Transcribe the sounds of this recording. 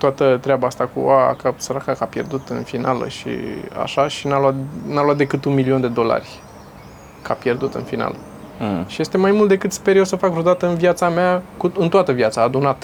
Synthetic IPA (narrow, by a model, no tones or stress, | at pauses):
t̪oat̪ət̪ɾeabaast̪akṵa̰kasəɾakakapje̞̰rd̪ut̪ɨ̰nfinalə̰ʃḭa̰ʃaʃinaluat̪naluat̪̚d̪e̞kɨt̪unmilio̞nd̪e̞d̪o̞la̰rʲ | kʰapje̞rd̪ut̪ɨ̰nfina̰lə | ʃije̞st̪e̞majmult̪d̪e̞kɨt̪spe̞ɾjosəfakvɾod̪at̪əɨnviat̪sameakuɨnt̪oat̪əvjat̪saːd̪unat̪ə̥